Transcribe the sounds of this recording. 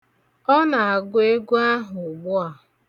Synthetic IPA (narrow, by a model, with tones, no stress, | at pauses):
ɔ˦na˨a˨ɡʷe˦ɡu˦a˦ɦʊ˨ɡ͡bʊ˦a˨